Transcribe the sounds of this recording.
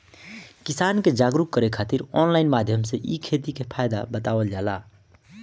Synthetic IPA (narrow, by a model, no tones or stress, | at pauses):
kisanked͡ʒaɡɾukːəɾekʰat̪iɾɔnlainmad̪ʱjəmseʔikʰet̪ikepʰajd̪abət̪awəld͡ʒala